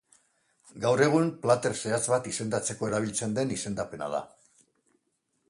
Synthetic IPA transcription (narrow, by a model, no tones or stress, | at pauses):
ɡawre̞ɣ̞umplat̪e̞ɾse̞at͡sβat̪ise̞nd̪at͡se̞ko̞e̞ɾaβ̞ilt͡se̞nd̪e̞nise̞nd̪ape̞na̰ð̞a̰